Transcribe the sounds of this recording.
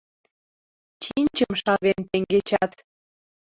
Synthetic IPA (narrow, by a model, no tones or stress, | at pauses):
t͡ɕinʲt͡ɕəmʃɑβent̪eŋɡet͡ɕɑt̪